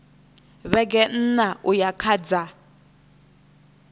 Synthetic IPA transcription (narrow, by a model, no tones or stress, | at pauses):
βɛk̬ʼɛn̩naʔujakʰad͡za